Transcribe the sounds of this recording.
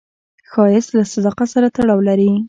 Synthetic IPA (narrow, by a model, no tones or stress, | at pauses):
xɑjɪslasad̪ɑqasaɾat̪aɽɑwlaɾi